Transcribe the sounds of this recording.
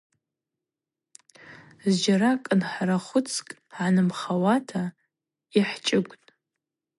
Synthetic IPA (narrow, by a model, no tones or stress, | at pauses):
zd͡ʒaɾakʼɨnħaɾaχʷʊt͡sʰkʼ | ʕanɨmχawatʰa | iħt͡ʃʼɪɡʷtʼ